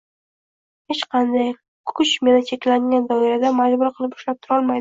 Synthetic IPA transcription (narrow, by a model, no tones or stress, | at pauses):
he̞t͡ʃqʰɑnd̪aj | kʰʊt͡ʃme̞nɪt͡ʃʰe̞kʲlaŋɡʲand̪ɒɪɾad̪amad͡ʒbʊɾqʰɨlˠɪpʊ̥ʃlap̚t̪ʰʊɾɒlˠmajd̪ɪ